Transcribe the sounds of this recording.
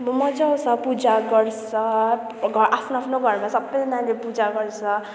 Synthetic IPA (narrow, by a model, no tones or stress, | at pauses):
mumʌd͡zʌwt͡sʰʌpud͡zaɡʌrt͡sʰʌ | ɡʱʌɾʔapʰnoapʰnoɡʱʌrmasʌbʌnanlepud͡zaɡʌrt͡sʰʌ